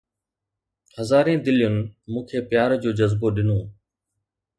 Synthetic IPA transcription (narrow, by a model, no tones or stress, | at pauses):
həzaːɾẽːd̪ɪlɪjʊnɪmũːkʰeːpjaːɾd͡ʑoːd͡ʑəzboɗɪnoː